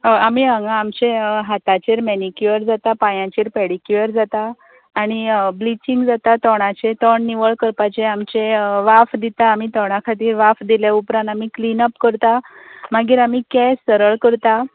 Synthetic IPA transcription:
amiːəŋɡãːmt͡ɕeɦat̪at͡ɕeɾmɛnikjuəɾd͡zat̪apajãt͡ɕiɾpɛɽikjuəɾd͡zat̪aː | ɽ̃iblit͡ɕiŋɡd͡zat̪at̪ɔɽ̃at͡ɕet̪ɔɳniʋəɭkəɾpat͡ɕeamt͡ɕeʋafd̪it̪aːmiːt̪ɔɽ̃akʰat̪iːɾʋafd̪ilaupɾãnt̪amiːklinəpkəɾt̪amaɡiːɾamiːkɛsːəɾəɭkəɾt̪a

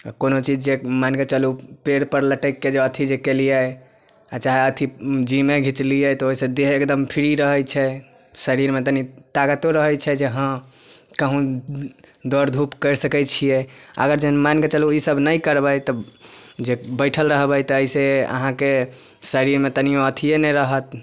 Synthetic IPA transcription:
konot͡ʃid͡ʒd͡ʒemanket͡ʃəlupeɽpəɾləʈəkːed͡ʒeət̪ʰid͡ʒekelijɛ | at͡ʃaɦeət̪ʰid͡ʒimeɡʱit͡ʃlijɛt̪ɔoɦisẽd̪eɦekd̪əmpʰiɾiɾəɦəjt͡ʃʰɛ | səɾiɾmet̪ənit̪aɡət̪oɾəɦəjt͡ʃʰɛd͡ʒeɦə̃ | kəɦũ | d̪ɔɾd̪ʱupkəɾsəkɛt͡ʃʰijɛə̰ɡəɾd͡ʒəənmanket͡ʃəluisəbnəjkəɾbəjt̪ɔd͡ʒebəɪʈʰəlɾəɦbəjt̪ɔːiseə̰ɦãke | səɾiɾmet̪ənijõət̪ʰijenɛɾəɦət̪̚

